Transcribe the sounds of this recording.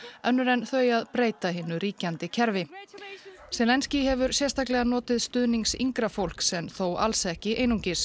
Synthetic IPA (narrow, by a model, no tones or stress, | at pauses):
œnːʏɾɛnθœjaðpɾeːjt̪aɦɪnʏɾiːcant̪ɪcʰɛɾvɪ | sɛlɛnscɪɦɛvʏɾsjɛst̪ʰaklɛɣanɔːt̪ɪðst̪ʏðniŋsḭŋkɾafowl̥ksɛmθowa̰lsɛhcɪʔeːjnuɲcɪs